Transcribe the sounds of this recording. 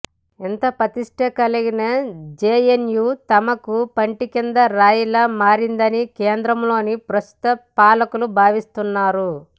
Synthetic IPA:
int̪ɐpɾɐt̪iʂʈekɐliɡinɐd͡ʒeːenjuːt̪ɐmɐkupɐɳʈikind̪ɐɾaːjulɐmaːɾind̪ɐnikeːnd̪ɾɐmlo̞ːnipɾɐst̪u̥t̪ɐpaːlɐkulubʱaːʋist̪unːaːɾu

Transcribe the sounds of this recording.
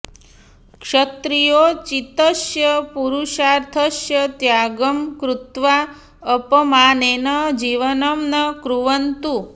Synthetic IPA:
kʂət̪ɾijot͡ʃit̪əʃjəpuɾuʃaɾt̪ʰəʃjət̪jaɡəmkɾut̪ʋa | əpəmanenəd͡ʒiʋənəmnəkɾuʋənt̪u

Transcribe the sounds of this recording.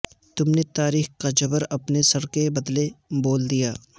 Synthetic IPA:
t̪ʊmnet̪aːɾiːxkad͡ʒɐbəɾɐpnesɐɾkebɐd̪leboːld̪ijaː

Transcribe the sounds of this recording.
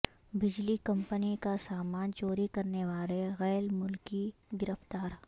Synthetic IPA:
bɪd͡ʒlikɐ̃mpənikasaːmaːnt͡ʃoːɾikɐɾneʋaːleɣɛːlmʊlkiɡɪɾəft̪aːɾ

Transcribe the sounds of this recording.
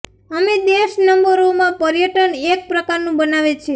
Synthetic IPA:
əmed̪eʃnəmbəɾomãpəɾjəʈənek̚pɾəkaɾnũbənaʋet͡ʃʰe

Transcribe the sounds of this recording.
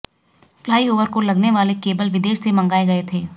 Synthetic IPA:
plaːioːʋəɾkolɐɡneʋaːlekeːbəlʋɪd̪eːʃsemɐ̃ŋɡaːeɡɐet̪ʰeː

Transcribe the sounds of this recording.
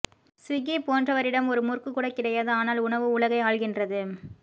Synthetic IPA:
sɪɣipoːndrɐʋɐɾɪɽɐmɔɾɯmʊrkɯkːuːɽɐkːɪɽɐjaːðɯaːnaːlʊɳɐʋɯʊɭɐɣɐɪaːɭɣɪndrɐðɯ

